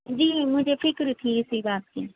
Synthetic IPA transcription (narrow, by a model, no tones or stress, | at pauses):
d͡ʒiːmʊd͡ʒʱefɪkɾt̪ʰiɪsibaːt̪ki